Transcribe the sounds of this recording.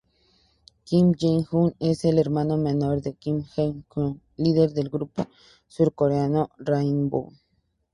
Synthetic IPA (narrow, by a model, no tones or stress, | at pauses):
kimd͡ʒeŋxuneseleɾmanomenoɾðekimxeŋko | liðeɾðelɡɾupo | suɾkoɾeanorainbṵ